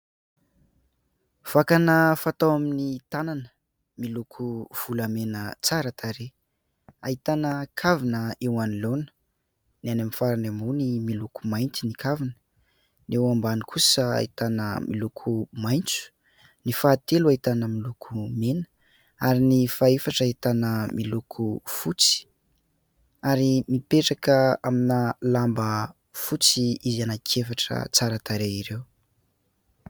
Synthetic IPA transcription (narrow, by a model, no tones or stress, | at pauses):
v̥akanəfat̪awaminit̪ananə | milukʰuv̥uləmenət͡saɾat̪ʰaɾe | aɦit̪anəkʰavinəewanilonə̥ | nianamifaɾanamunimilukumajnt̪inikʰavinə̥ | newambanikʰusəa̰it̪anə̰mʔḭlukʰumajnt͡su̥ | nifaːt̪eluait̪anəmilukʰumenə̥ | aɾinifaefaʈ͡ʂait̪anəmilukʰufut͡si̥ | aɾimipeʈ͡ʂakəaminalambə | fut͡siizianakʰefaʈ͡ʂə̰t͡saɾat̪aɾeiɾew